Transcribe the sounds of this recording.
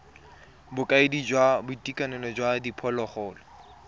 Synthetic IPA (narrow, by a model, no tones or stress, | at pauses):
bʊkʼaɪdid͡ʒwabʊtʼikʼanɛlɔd͡ʒwadipʰɔlɔχɔːlɔ